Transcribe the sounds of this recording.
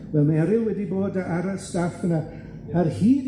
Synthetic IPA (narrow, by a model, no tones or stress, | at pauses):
vɛlˠmaɛɾɪlˠwɛdiboːdaʔaɾastafəna | arhiːd